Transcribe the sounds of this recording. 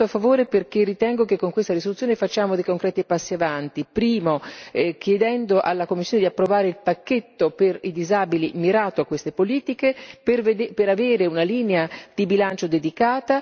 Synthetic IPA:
oafːavoːɾeperkerːit̪ɛŋɡokekːoŋkwest̪aɾisolut̪sːjoːnefat͡ʃːaːmod̪ejkoŋkɾɛːt̪ipasːiavant̪ipɾiːmok̟jed̪ɛnd̪oʔalːakomːisːjoned̪iapːɾovaːɾeilpakːet̪ːoperid̪izaːbilimiɾaːt̪oakːwest̪epoliːt̪ikepeved̪peɾaveːɾeunaliːnead̪̥ibilant͡ʃod̪ed̪ikaːt̪a

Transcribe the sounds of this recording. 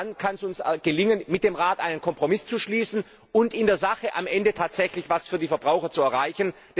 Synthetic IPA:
nkʰansʊnsɡ̥əlɪŋənmɪt̚d̥eːmʁaːtʔaɪnənkʰɔmpʁ̥omɪst͡suʃliːsn̩ | ʊntɪndeːɐzaχəʔamʔɛndətʰaːtz̥ɛçlɪçv̥asfyːɐdiːfɛɐbʁaʊxɐt͡suɛɐʁaɪçən̩ | d̥

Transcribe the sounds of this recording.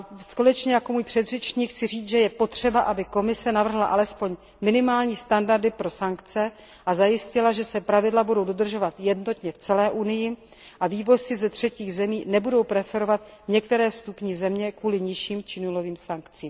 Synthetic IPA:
skolɛt͡ʃɲɛjako̞muːjpr̥ɛd̪rɛt͡ʃɲiːkxt͡sɪriːt͡s̪ʒɛjɛpo̞t̪r̝̥ɛbaʔabɪko̞mɪsɛnavr̩ɦlaʔalɛspo̞ɲ | mɪnɪmaːlɲiːst̪andaɾdɪpɾo̞saŋkt͡sɛ | ʔazajɪscɪlaʒɛsɛpɾavɪdlabudo̞wdo̞d̪r̩ʒo̞vat̪jɛdno̞t̪ɲɛft͡sɛlɛːʔunɪjɪ | ʔaviːvo̞ssɪzɛt̪r̝̥ɛciːɣzɛmiːnɛbudo̞wpɾɛfɛɾo̞vat̪̚ɲɛkt̪ɛɾɛːst̪upɲiːzɛmɲɛkvuːlɪɲɪʃiːmt͡ʃɪnulo̞viːmsaŋkt͡siːm

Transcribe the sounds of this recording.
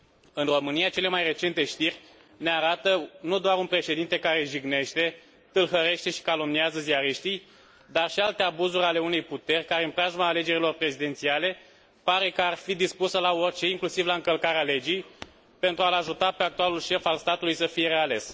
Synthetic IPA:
ɨnro̞mɨnijat͡ʃe̞le̞majre̞t͡ʃe̞nt̪e̞ʃt̪irʲ | ne̞aɾat̪ənud̪oaɾunpɾe̞ʃe̞d̪int̪e̞kaɾe̞ʒiɡne̞ʃt̪e̞ | t̪ɨlɦəɾe̞ʃt̪e̞ʃi̥kalo̞mniazəziaɾiʃt̪ij | d̪arʃialt̪e̞abuzuɾʲale̞une̞jput̪e̞rʲkaɾeɨnpɾaʒmaːle̞d͡ʒe̞ɾilo̞rpɾe̞zid̪e̞nt̪siale̞ | paɾe̞kəarfid̪ispusəlao̞rʲt͡ʃe̞iŋklusivlaɨŋkəlkaɾeale̞d͡ʒij | pe̞nt̪ɾualaʒut̪ape̞ak̚t̪ualulʃe̞falst̪at̪ulujsəfije̞ɾe̞ale̞s

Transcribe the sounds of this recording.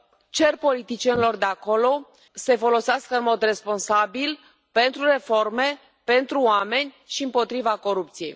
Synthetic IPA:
t͡ʃe̞rpo̞lit̪it͡ʃijenilo̞rd̪e̞ako̞lo̞ | se̞fo̞lo̞seaskəɨnmo̞d̪re̞spo̞nsabil | pe̞nt̪ɾure̞fo̞rme̞ | pe̞nt̪ɾuoame̞nʲ | ʃiɨmpo̞t̪ɾivako̞ɾupt̪sije̞̰j

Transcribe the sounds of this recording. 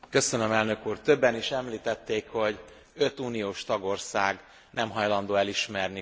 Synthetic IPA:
kø̞sø̞nømɛlnø̞kuːrt̪ø̞bːɛniʃɛmliːt̪ɛt̪ːeːkho̞ɟ | ø̞t̪uːnijoːʃt̪ɒɡo̞rsaːɡ | nɛmɦɒjlɒnd̪oːɛliʃmɛrni

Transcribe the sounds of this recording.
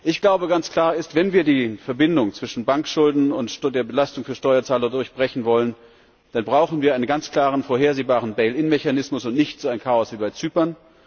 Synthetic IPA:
ʔɪçɡ̥laʊbəɡant͡skl̥aːɐɪstv̥ɛnviːɐdiːfɛɐbɪndʊŋt͡sv̥ɪʃn̩baŋkʃʊldn̩ʊntdeːɐbəlastʊŋfyːɐʃtɔʏɐt͡saːlɐdʊɐçb̥ʁɛçn̩vɔlən | d̥anbʁaʊxn̩viːɐaɪnənɡant͡skl̥aːʁ̞ənfoːɐɦeːɐzeːbaːʁ̞ənbɛɪlɪnmɛçanɪsmʊsʊntnɪçtz̥oːaɪnkʰaːɔsv̥iːbaɪt͡syːpɐn

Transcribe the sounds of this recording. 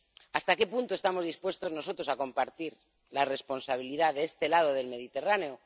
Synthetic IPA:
ast̪ake̞punt̪oe̞st̪amo̞zðispwe̞st̪o̞zno̞so̞t̪ɾo̞sako̞mpaɾt̪iɾ | lare̞spo̞nsaβ̞iliðaðeest̪e̞lað̞o̞ð̞e̞lme̞ðit̪e̞raneo

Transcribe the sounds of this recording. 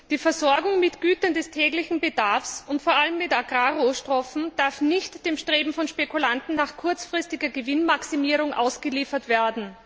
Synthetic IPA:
d̥iːfɛɐzɔɐɡʊŋmɪtɡ̥yːtɐndɛstʰɛːɡlɪçn̩bədaɐfsʊntfoːɐʔaləmːɪtaɡʁaːʁoːʃtʁ̥ɔfn̩d̥aɐfnɪçtd̥eːmʃtʁ̥eːbm̩fɔnʃpekʰulantn̩naːχkʰʊɐt͡sfʁ̥ɪstɪɡɐɡəvɪnmaksimiːʁʊŋʔa̰ʊsɡ̥əliːfɐtv̥eːɐdn̩

